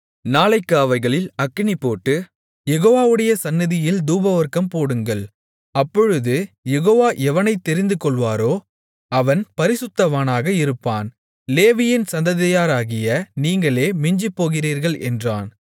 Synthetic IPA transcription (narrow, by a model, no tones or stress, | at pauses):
naːlɐɪkːaːʋɐɪɣɐɭɪlɐkːɪnɪpːoːʈːɯ | jɛɣoːʋaːʋɯɽɐjɐsɐnːɪðɪjɪld̪uːbɐʋɐɾkɐmpoːɽɯŋɡɐɭ | ɐpːɔɻɯðɯjɛɣoːʋaːʔɛʋɐnɐɪt̪ːɛɾɪnd̪ɯkɔɭʋaːɾoː | ɐʋɐnpɐɾɪsɯt̪ːɐʋaːnaːɣɐɪɾɯpːaːn | leːʋɪjɪnsɐnd̪ɐðɐjaːɾaːɣɪjɐniːŋɡɐɭeːmɪɲd͡ʒipːoːɣɪriːɾɣɐɭʔɛ̰ndra̰ːn